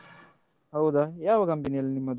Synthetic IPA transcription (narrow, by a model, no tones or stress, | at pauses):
ɦɐwd̪ajaːʋɐkɐmpinijɐlːinimːɐd̪